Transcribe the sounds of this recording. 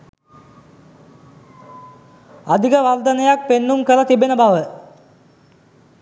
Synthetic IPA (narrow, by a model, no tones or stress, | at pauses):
ad̪ʱikəʋald̪ənəjak̚penːumkəlɐt̪ibenəbaʋə